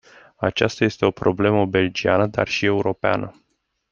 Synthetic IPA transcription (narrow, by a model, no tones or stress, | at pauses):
at͡ʃast̪aje̞st̪e̞o̞pɾo̞ble̞məbe̞ld͡ʒianəd̪a̰rʃie̞uɾo̞pea̰nə